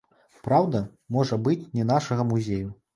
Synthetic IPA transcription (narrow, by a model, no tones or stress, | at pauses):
pɾawd̪ɐ | mɔʐɐbɨt͡sʲnʲɛnaʂɐɣɐmuzʲeju